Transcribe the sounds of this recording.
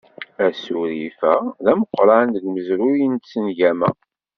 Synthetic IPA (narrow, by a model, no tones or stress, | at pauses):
æsuɾifæðæməqːɾand̪əɡməzɾujənt̪sənʝæmæ̰